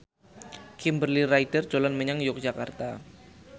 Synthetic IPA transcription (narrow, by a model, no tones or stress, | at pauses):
kɪmbərliraidərd͡ʒolanməɲaŋjʊk̚d̥d͡ʒ̥ʒ̥akart̪a